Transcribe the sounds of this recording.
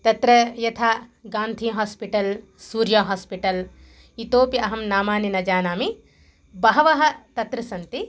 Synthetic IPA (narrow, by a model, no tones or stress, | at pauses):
t̪ɐt̪ɾɐjɐt̪ʰaːɡaːnt̪ʰiːɦaːspiʈɐl | suːɾjɐɦaːspiʈɐl | it̪oːpiʔɐɦɐmnaːmaːninɐd͡ʒaːnaːmi | bɐɦɐʋɐɦɐ̆t̪ɐt̪ɾɐsɐnt̪i